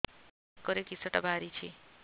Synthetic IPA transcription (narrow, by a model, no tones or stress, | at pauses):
kːɔɾekisoʈabʱaɾit͡ʃʰḭ